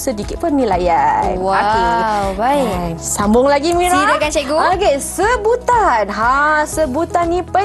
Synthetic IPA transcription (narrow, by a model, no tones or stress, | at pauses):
sədikit̪̚pərnilajanwakiwbajsambʊŋlaɡimiɾiɾakat͡ʃɛɡuaɡesəbut̪anɦãsəbut̪anːĩpə